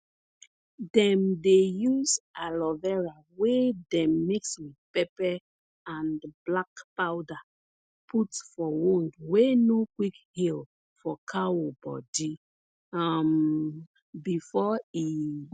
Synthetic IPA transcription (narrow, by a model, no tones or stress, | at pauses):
dɛ̃mdejuzalɔvɛɹa | wedɛ̃mːikswidpɛpɛ | ãnblakpawda | pʰutfɔwõndwenokwikhil | fɔkʰawobɔ̰di | am | bifɔi